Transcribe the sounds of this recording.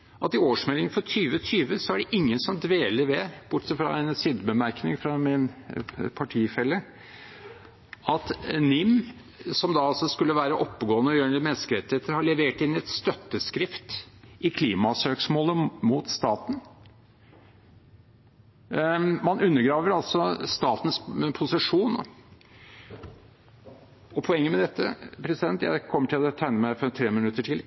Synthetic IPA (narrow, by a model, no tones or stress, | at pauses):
ʔɑt̪ɪoːʂmɛlɪŋfɔt̪ʰyːʋət̪ʰyːʋəsɔæɖɛʔɪŋːənsɔmd̪ʋeːləɾʋɛb̥ʊʈːsəfɾɑ̰ɛnsiːd̪bəmæɾknɪŋfɾɑmɪnpʰɑʈʰiːfɛlːə | ʔɑt̪nɪm | sɔmd̪ɑɑlsɔskʉlːəʋæːɾəʔɔpːəɡoːənəɔjøːənəmɛnskəɾɛt̪ːɪheːt̪əɾhɑɭɛʋeːʈɪnːɪɛt̪st̪œt̪ːəskɾɪft̪ɪkʰliːmɑsøːksmoːləmut̪st̪ɑːt̪n̩ | mɑnʉnːəɾɡɾɑːʋəɾɑlsɔst̪ɑːt̪n̩spʰʊsɪʂuːno̰ | ɔpʰɔɛŋːəmɛd̪ɛt̪ːə̰pʰɾɛsɪd̪ɛnt̪jæ̰ɪkʰɔmːəʈʰɪlɔt̪ʰæɪnəmæɪfɔɾt̪ʰɾeːmɪnʉt̪ːəʈʰɪl